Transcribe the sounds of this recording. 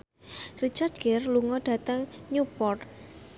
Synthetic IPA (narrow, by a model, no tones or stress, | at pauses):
rit͡ʃard̪ɡɛrluŋɔɖ̥ä̤t̪əŋɲupɔr